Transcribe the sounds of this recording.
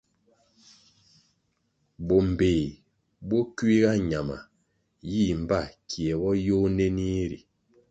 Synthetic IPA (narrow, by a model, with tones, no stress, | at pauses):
bo˨m̩˨beː˨ | bo˦kɥi˦ɣa˦ɲa˨ma̰˨ | ji˦˨m̩˨ba˦˨kʰjɛ˨bɔ˦jo˦ne˦ni˦ɾḭ˨